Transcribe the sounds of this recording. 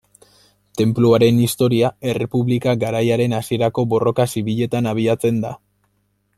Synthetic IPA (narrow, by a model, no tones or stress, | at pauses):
t̪e̞mpluaɾe̞nist̪o̞ɾiae̞re̞puβlikaɡaɾajaɾe̞nasie̞ɾako̞bo̞ro̞kasiβiʎe̞t̪anaβ̞iat͡se̞nd̪a̰